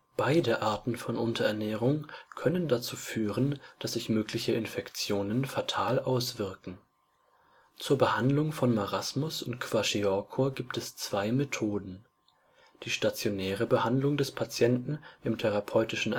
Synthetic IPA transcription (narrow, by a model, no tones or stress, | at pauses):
b̥aɪdəʔaːɐtn̩fɔnʔʊntʰɐɛɐnɛːʁ̞ʊŋkʰœnəndat͡suːfyːʁənd̥asz̥ɪçmøːklɪçəɪnfɛkt͡sjoːnənfatʰaːlʔaʊsv̥ɪɐkŋ̩ | t͡suːɐbəhandlʊŋfɔnmaʁasmʊsʊntkʰv̥aʃiɔkʰoɡiːptɛst͡sv̥aɪmetʰoːdn̩ | d̥iːʃtat͡sjonɛːʁ̞əbəhandlʊŋdɛspʰat͡sjɛntn̩ʔɪmtʰɛʁapʰɔʏtɪʃn̩